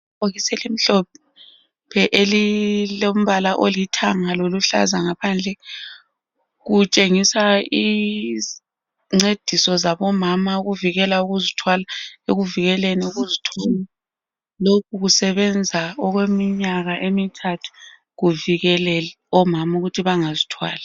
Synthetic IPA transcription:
oɣisɛlim̩ɬɔp̚ʰɛ | pʰɛʔelilom̩βalaʔolitʰaŋaloluɬa̰zaŋapʰand͡ɮʱɛ | ɣut͡ʃʼeŋisai | ŋ͡ǀed̥ʱisɔzaβɔmamaɣuviɣɛlauɣuzitʰwalaeɣuviɣɛlenɛuɣuzitʰwɔla | lokʰuɣusɛβɛnd͡zʱaɔɣwemiɲaɣaʔemitʰatʰu̥ | ɣuviɣɛlɛl | ɔmamauɣutʰiβaŋazitʰwa̰ːla

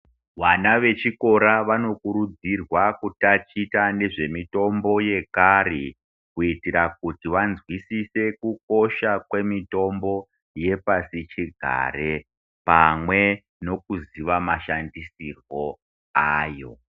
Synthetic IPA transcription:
ʋanaʋe̞t͡ʃiko̞ɾaʋano̞kuɾud͡zirwakutat͡ʃitane̞ʐe̞mito̞mbo̞je̞kaɾi | kuitiɾak̚utiʋanzwisise̞kuko̞ʃakwe̞mito̞mbo̞ | je̞pasit͡ʃiɡʱa̰ɾe̞ | pamwe̞ | no̞kuziʋamaʃandisirwo̞ | aːjo̞̰

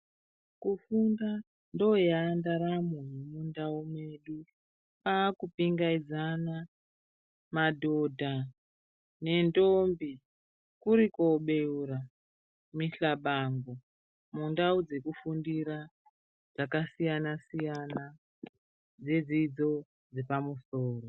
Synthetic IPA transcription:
kufunda | ndo̞jaːndaɾamunumundaumweɗu | paːkupiŋɡaid͡zana | madʱo̞dʱa | ne̞ndombi | kuɾikoɓe̞uɾa | miɬaɓaŋɡo | mundaud͡ze̞kufundiɾa | d͡zakasijanasijana | d͡zed͡zid͡zo̞ | d͡zepamusoːro

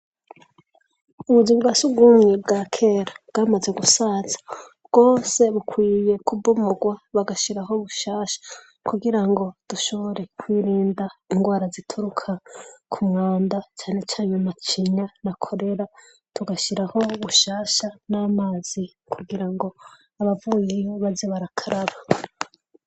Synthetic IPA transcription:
uβuzimɡwasubɡuːmŋebɡakʰe̞ɾabɡ̥amaze̞ɡusaːzḁ | bɡ̥o̞ːse̞βukwiːje̞kubumoɡwaβaɡaʃiɾaɦo̞βuʃaːʃḁ | kuɡiɾaŋɡo̞d̥uʃo̞βo̞ɾe̞kwiːɾiːndaiŋɡwaːɾazitʰuɾukʰakʰumwaːndat͡ʃaːne̞t͡ʃaːɲumat͡ʃiɲanakʰo̞ɾe̞ɾa | tuɡaʃiɾaho̞βuʃaːʃanaːmaz̥i | kʰuɡiɾaŋɡo̞ | aβavujejo̞βazeβaɾakʰaɾaβa

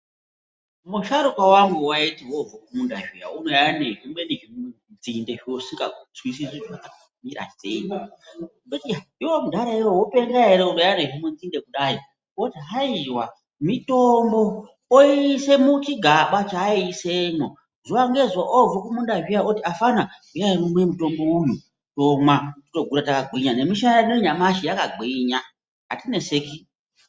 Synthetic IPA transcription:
muʃaɾukawaŋɡuwaitiwovokumundaʒija̰unojaneʒimweniʒimu | nd͡zindeʒiosiŋɡa̰ut͡swis̬iziwatakaumiɾa̰sḛɲi | utiaiwomudʱaɾaiwowopeŋɡaɦeɾeunojaneʒimunzinde̞kuɗai | wotiɦaiwa | mitombo̞ | oise̞mut͡ʃiɡʱaɓat͡ʃaisemwo | zowaŋɡe̞zoʔovokumundaɦiaotiafanaujajinumwemuto̞mbo̞uju | tomwati̥to̞ɡʱuɾatakaɡiɲane̞miʃananoiɲamaʃijakaɡʱiɲa | ɦa̰tine̞seki

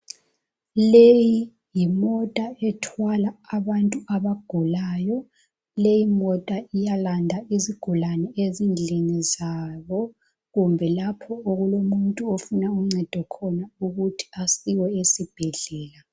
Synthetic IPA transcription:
leji | jimɔtʼaɛtʰwalaːβantʼuaβaɡ̥ʱulajɔ | lejimɔtʼaijalandʱaiziɡ̥ʱulanɛezind͡ɮʱinizaβɔ | ɣumbʱɛlapʰɔoɣulomuntʼuofunauŋ͡ǀɛd̥ʱɔkʰɔnauɣutʰi̥asiwɔesib̥ʱɛɮɛːla

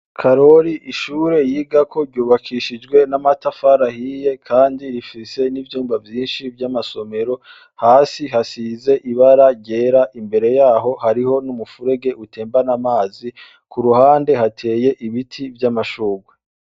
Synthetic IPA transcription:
kʰaɾo̞ɾiʔiʃuːɾe̞jiːɡakʰo̞ɾɟuːβakʰiːʃid͡ʒɡwe̞namatafaɾahije̞kʰaːndiɾifise̞nivjuːmvavjiːnʃivjamaso̞me̞ɾo̞ | haːsiɦasiːze̞ʔiβaɾaɟe̞ːɾaʔimbe̞ɾe̞jaːɦo̞haɾiho̞numufuɾe̞ɡe̞ʔute̞ːmbanamaːzi | kʰuɾuhaːnde̞hatʰe̞ːje̞ʔiβitʰivjamaʃuːɡwe

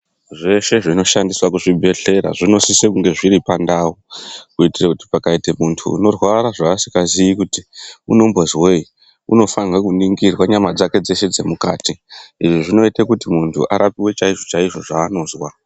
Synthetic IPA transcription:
ʐe̞ʃe̞ʐino̞ʃandiswakuʐibʱe̞ɬe̞ɾa̰ʐino̞sisekuŋɡe̞ʐiɾipandaukuitirakuti̥pakaitemuntʰṵːno̞rwaɾaʐaːsikazijikutiuno̞mbozwei | ṵno̞fanɡakuniŋɡirwaɲamad͡zake̞d͡ze̞ʃe̞d͡ze̞muka̰ːtiiʐiʐino̞itekutimuntʰṵʔa̰ɾapiwe̞t͡ʃaiʐo̞t͡ʃaiʐo̞ʐaːno̞ːzwa

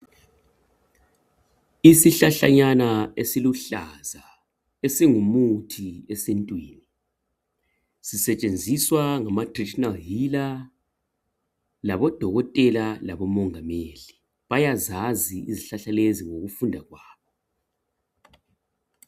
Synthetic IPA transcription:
isiɬaɬaɲanaesiluɬaza | esiŋumutʰiɛsentʼwiːni | sisɛt͡ʃʼend͡zʱiswaŋamatʼradʃɔnalɦila | laβɔd̥ʱɔɣɔtʼɛlalaβɔmɔŋameːli | βajazaziiziɬaɬaleziŋoɣufundʱaɣwaːβɔ

